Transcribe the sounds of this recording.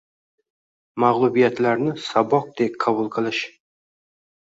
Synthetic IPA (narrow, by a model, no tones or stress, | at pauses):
maʁlˠʊbijat̪laɾnɪsabɒq̚d̪̥ekʲqʰɑbʊlˠqʰɨlˠɪʃ